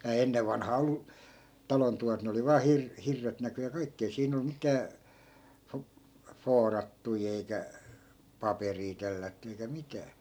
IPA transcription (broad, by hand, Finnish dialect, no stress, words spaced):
ei̯hæː enːeʋ ʋɑnhɑː olːu tɑlon tuʋɑt ne oli ʋɑː hir hirːet næky jɑ kɑikːi ei siːn ol mitæː fo foːrɑtːui eikæ pɑperiː telːætːy eikæ mitæː